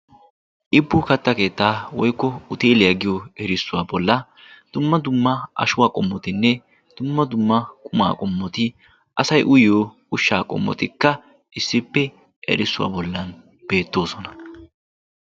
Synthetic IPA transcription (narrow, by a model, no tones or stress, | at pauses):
ʔɪbːʊkɐt̪ːɐke̞ːt̪ːaːwɔjkːɔʊt̪eːlɪjɐɡɪjoɛɾɪsːʊwaːbɔlːɐd̪̥ʊmːɐd̪ʊmːɐʔɐ̰ʃʊwaːkʼɔmːɔt̪ɪnːɛ | d̪̥ʊmːɐd̪ʊmːɐkʼʊma̰ːkʼɔmːɔt̪ɪ | ʔɐsɐjʔʊjjoː | ʊʃːaːkʼɔ̰mːɔ̰t̪ɪkːɐ | ɪsːɪpːɛ | ʔɛ̰ɾɪsːʊwa̰ːbɔlːɐn | b̥e̞ːt̪ːo̞ːsɔnɐ̥